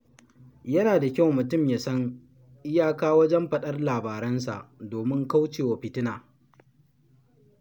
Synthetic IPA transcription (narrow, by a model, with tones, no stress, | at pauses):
jɐ˦naː˨da˨kʲa˦wmʊ˨tʊ˦˨mjaː˨sɐ˦ŋ | ʔɪ˦jaː˦kaː˦wɐ˦d͡ʒɛ˦mɸɐ˦ɗɐ˦rlaː˨baː˨ɾɐ˦nsa̰˨ʔdoː˨mɪ˦ŋka˦wt͡ʃeː˨wa˨ɸɪ˨tɪ˦naː˨